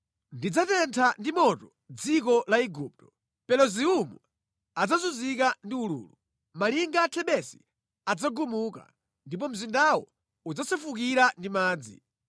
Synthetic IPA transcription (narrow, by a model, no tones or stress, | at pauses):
ndid͡zatɛntʰandimɔtɔ | d͡zikɔlaiɡuːp̚tɔ̥ | pɛlɔziumṵ | ad͡zazuzik̬andiulṵːlu | maliŋɡatʰɛɓɛsi̥ | ad͡zaɡumuːka̰ | ndip̬ɔm̩zindawɔ | ud͡zasɛfukiɾandimaːd͡zḭ